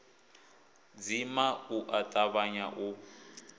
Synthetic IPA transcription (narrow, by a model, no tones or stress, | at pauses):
d͡zimauʔatʼaβaɲaʔu